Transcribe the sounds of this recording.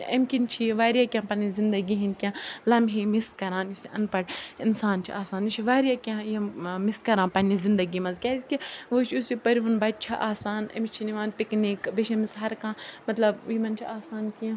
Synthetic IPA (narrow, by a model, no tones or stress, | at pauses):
ɐmʲkʲint͡ʃʰiʋaːɾijaːkʲjãːpɐnizind̪ɐɡiɦinʲkʲãːlɐmɦimiskɐɾãːnjusiʔɐ̰npɐɽinsaːnt͡ʃʰḭaːsaːnjut͡ʃʰiʋaːɾijakʲãjɐmiskɐɾãːpɐnizind̪ɐɡimɐzkʲaːzʲkʲiʋot͡ʃʰusipɐɾiʋɐnbɐt̪̚t͡ʃʰɐʔaːsaːnɐ̰mit͡ʃʰiniʋaːnpiknikbeʃɐ̃misɦɐɾkãːmɐt̪lɐbimɐnt͡ʃʰiaːsaːnkĩ